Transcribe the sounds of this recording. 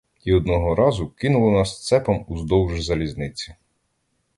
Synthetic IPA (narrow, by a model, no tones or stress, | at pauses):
iɔd̪nɔɦɔɾɑzʊkɪnʊlˠɔnɑst̪sɛpɐmuzd̪ɔwʒzɐlʲiznɪt͡sʲi̥